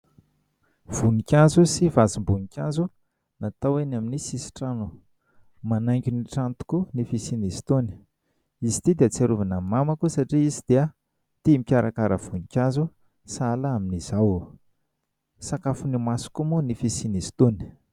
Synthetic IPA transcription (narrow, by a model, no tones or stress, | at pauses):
v̥unikʲazusivazimbunikʲazu | nat̪awenaminisisi̥ʈ͡ʂanu | manaŋkʲuniʈ͡ʂant̪u̥kunifisinist̪oni̥ | izi̥t̪id̪eət͡saɾuvanammamakusaʈ͡ʂiizid̪̥iə | t̪imikʲaɾakaɾəv̥unikʲazu | salaaminiz̥aw | sakafunimasu̥kumunifisinist̪oni̥